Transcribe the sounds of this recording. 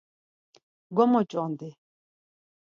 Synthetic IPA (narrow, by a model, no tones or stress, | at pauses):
ɡɔmɔt͡ʃʼɔnd̪ɪ